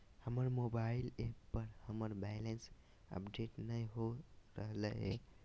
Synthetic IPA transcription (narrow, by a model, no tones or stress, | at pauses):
həməɾmobailepəɾhəməɾbajlens | ə̰pɖeʈnəjɦoɾəɦləɦḛ